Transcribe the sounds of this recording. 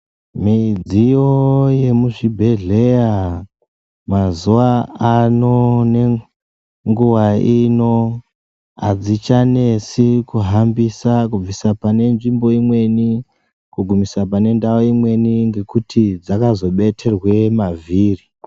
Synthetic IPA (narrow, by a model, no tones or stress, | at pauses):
miid͡zijoje̞muʐibʱe̞ɮe̞ja | mazuʋaano̞ne̞ | ŋɡuwaino̞ | a̰d͡zit͡ʃane̞sikuɦambisakub͡visapane̞nʐimbo̞imwe̞ni | kuɡʱumisapane̞ndaoimwe̞niŋɡe̞kutʰid͡zakazo̞ɓe̞tʰe̞rwe̞maviːri